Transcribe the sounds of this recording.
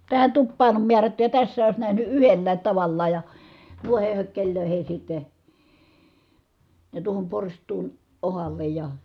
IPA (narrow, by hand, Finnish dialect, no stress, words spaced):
tæhæn tupːɑːn om miærætːy jɑ tæsːæː oˑis næhny yhelːæːt tɑʋɑlːɑːj jɑ nuiheh høkːelʲløˑihis sitːe jɑ tuohom porstˑuːn ohɑlːej jɑ